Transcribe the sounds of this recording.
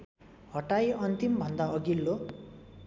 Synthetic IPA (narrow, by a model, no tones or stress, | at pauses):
hʌʈajʌnt̪imbʱʌnd̪aʌɡilːo